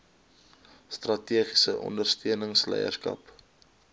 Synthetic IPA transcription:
strɐtiəχisəʔɔ̰ndərstiənəŋslɛ̰jə̰rskɐ̰p

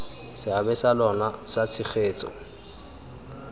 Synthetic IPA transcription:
sɪabɛsalɔnasat͡sʰɪk͡xʰeːt͡sʼɔ̰

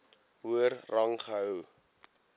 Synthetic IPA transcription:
ɦuərːɐŋχəɦəw

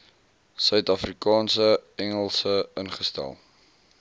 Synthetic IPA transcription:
sœɥtɐfrikɑːnsəɛŋəlˠsəənχəstæ̰lˠ

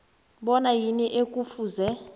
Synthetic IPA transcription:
ɓɔnajiniʔekʼufuːzɛ

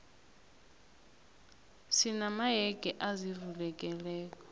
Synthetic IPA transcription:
sinamaɦɛɡ̥ʱʼɛʔazivulɛkʼɛlɛːkʼɔ̥

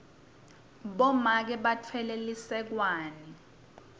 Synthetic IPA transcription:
ɓɔmak̬ɛɓatʰwɛlelisɛk̬waːni

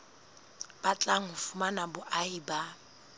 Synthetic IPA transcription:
b̥at͡ɬʼaŋ̩ɦʊfumanabʊʔaiba

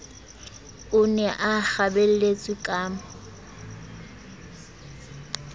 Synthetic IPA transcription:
ʊnɛʔak͡xabel̩let͡sʼʊkʼaːm̩

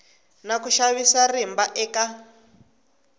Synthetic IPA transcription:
nakuʃaβisarimbaʔɛːka

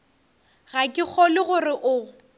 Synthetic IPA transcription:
ɣakʼɪk͡xʰɔlɪɣʊrɪʔʊ

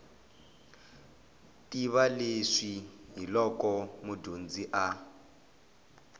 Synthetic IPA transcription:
tiβaleʂiɦilɔkɔmudond͡ziʔa

